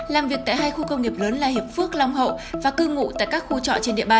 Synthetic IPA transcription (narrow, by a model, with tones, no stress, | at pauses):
laː˨˩mvi˨˩ək̚t̪ːjɦaː˧jxu˧kə˧wŋ͡mŋi˨˩p̚ləː˨˦nlaː˨˩hi˨˩əp̚fɨ˦˥ək̚la˧wŋ͡mɦə̰˧˨wvaː˨˩kɨ˧ŋṵ˧˨t̪a̰ː˧˨jkaː˦˥k̚xu˧t͡ɕɔ̰˧˨t͡ɕe˧nɗḭ˧˨əɓaː˧˩n